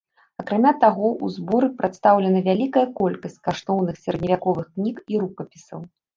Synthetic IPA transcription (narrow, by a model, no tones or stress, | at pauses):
ɐkɾamʲat̪aɣɔʔuzbɔɾɨpɾat̪st̪awlʲɛnɐvʲalʲikɐjɐkɔlʲkɐsʲt͡sʲkaʂt̪ɔwnɨxsʲɛɾɐd̪̚ʲnʲivʲakɔvɨxknʲikiɾukɐpʲisɐw